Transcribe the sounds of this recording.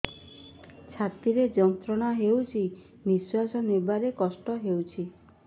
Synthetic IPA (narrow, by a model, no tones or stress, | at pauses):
t͡ʃʰat̪iɾed͡ʒɔnt̪ɾɔɽ̃aɦewt͡ʃʰi | biswasɔnibaɾekɔsʈɔɦewt͡ʃʰi